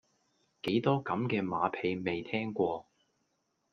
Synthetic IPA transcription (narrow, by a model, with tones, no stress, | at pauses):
ke˨˥jt̪ɔː˥kɐ˨˥mkɛː˧maː˨˧pʰe˧jme˨jt̪ʰɛː˥ŋkʷɔː˧